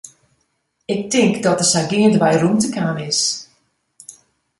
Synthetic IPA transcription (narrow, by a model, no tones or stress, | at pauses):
ɪk̚tɪŋkdɔtərsaɡiəndəʋɛjruntəkaːnɪs